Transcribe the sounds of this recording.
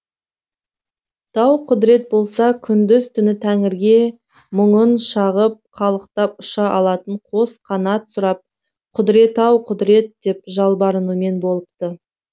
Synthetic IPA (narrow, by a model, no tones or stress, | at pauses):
d̪̥ʰɑwqʰʊd̪ɾe̞t̪̚bo̞lˠsɑkʲʰʏnd̪ʏzt̪ʰʏnɪt̪ʰæŋɪɾɡʲe̞ | məɴənʃɑʁəp̚χʰɑlˠəqt̪ɑpʊʃɑʔɑlˠɑt̪əɴqʰo̞sqʰɑnɑt̪sʊɾɑp̚ | qʰʊd̪ɾe̞t̪ɑwqʰʊd̪ɾe̞t̪̚d̪e̞pʒɑlˠbɑɾənume̞nbo̞lˠəp̚t̪ə